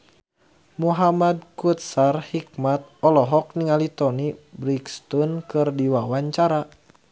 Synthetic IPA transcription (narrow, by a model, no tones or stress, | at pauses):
muɦamad̚kut̪̚sarhik̚mat̪̚ɔlɔɦɔk̚niŋalit̪ɔnibɾikst̪unkɨrdiwawaɲt͡ʃaɾa